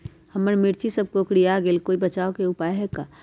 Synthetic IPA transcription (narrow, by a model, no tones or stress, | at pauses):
həməɾmɪɾt͡ʃisəb̚kokɽiaɡeːlkoːibət͡ʃaːokeʊpaːjɦɛkaː